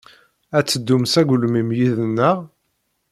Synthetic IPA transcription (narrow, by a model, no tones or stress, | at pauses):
æt͡sːəd̪ːumsæɡlmimjiðənːəʁ